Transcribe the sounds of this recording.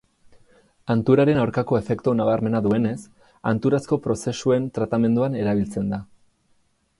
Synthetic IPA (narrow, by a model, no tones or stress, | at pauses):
ant̪uɾaɾe̞nawɾkako̞e̞fe̞kt̪unaβaɾme̞naðue̞ne̞s | a̰nt̪uɾasko̞pɾo̞se̞sue̞nt̪ɾat̪ame̞nd̪uane̞ɾaβ̞ilt͡se̞nd̪a